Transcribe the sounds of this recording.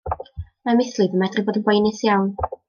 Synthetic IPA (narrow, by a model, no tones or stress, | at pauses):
mamɪθlˠɨvəmɛdrɨboːdənɡwejnɨsjawn